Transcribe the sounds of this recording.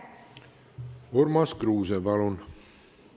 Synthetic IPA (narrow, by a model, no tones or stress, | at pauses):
oɾmɑskɾuːzebɑlun